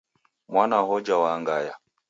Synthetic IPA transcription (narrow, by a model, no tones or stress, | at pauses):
mwanahɔd͡ʒawaŋɡaja